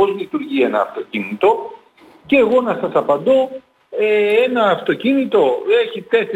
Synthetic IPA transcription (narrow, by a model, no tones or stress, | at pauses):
ozlit̪uɾʝie̞nɐːft̪o̞cinit̪o̞ | ce̞ːɣo̞nɐsɐsɐpɐnd̪o̞ | ee̞nɐːft̪o̞cinit̪o̞e̞çit̪e̞s